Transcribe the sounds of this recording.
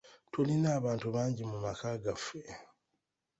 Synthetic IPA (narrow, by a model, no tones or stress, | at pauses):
tʰolinaːβaːntuβaːɲɟimumakaɡafe̞